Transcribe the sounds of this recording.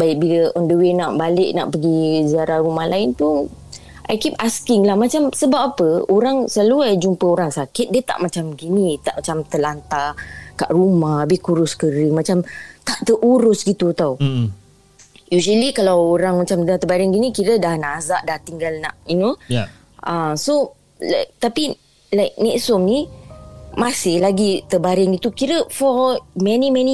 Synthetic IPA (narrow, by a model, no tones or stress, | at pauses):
baɪk̚biləʔɔndəwɪnaʔbalɪʔnaʔpəɡiziaɾaɾumahlaɪnpʊn | ʔa̰jkipaskɪŋlahmat͡ʃamsəbapapəoɾaŋsaluad͡ʒumpəoɾaŋsakɪt̪̚diət̪a̰ʔmat͡ʃamɡinĩt̪aʔmat͡ʃamt̪əlant̪akaʔrumahbɪhkuɾʊskəɾəmat͡ʃamt̪aʔt̪əʔuɾʊsɡit̪ut̪aw | juzəlikalawoɾaŋmat͡ʃamdat̪əbaɾɪŋɡinikiɾədahnaʔːzaʔdaht̪iŋɡalna̰ʔjino | ʔaso | lak̚t̪api | lajk̚nɛʔsɔmni | masɪhlaɡit̪əbaɾɪŋit̪ukiɾəfɔmɛnimɛni